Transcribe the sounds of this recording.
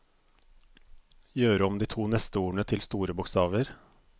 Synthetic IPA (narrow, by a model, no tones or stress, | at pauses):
jøːɾəɔmd̪iːt̪ʰuːnɛst̪əuːɳət̪ʰɪlst̪uːɾəbʊkst̪ɑːʋəɾ